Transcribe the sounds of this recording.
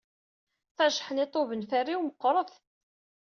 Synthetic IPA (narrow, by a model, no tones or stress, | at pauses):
θæʃħənɪt̪ˤovənfærːiwməqːɾˤəθ